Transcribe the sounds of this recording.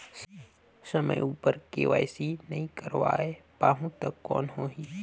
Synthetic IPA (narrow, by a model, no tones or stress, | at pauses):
səmə̰juːpəɾkḛːʋa̰ːjsinɐɦĩkəɾʋa̰ːepaːɦũt̪ɐkːɔ̰ːnɦoːɦi